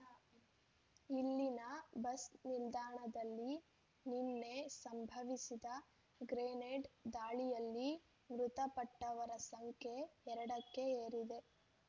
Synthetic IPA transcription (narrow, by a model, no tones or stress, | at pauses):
ilːinɐbɐsnild̪aːɳɐd̪ɐlːi | ninːesɐmbʱɐʋisid̪ɐ | ɡɾeːneɖd̪aːɭijɐlːi | mɾut̪ɐpɐʈːɐʋɐɾɐsɐŋkʰjeːɾɐɽɐkːe̞eːɾid̪e̞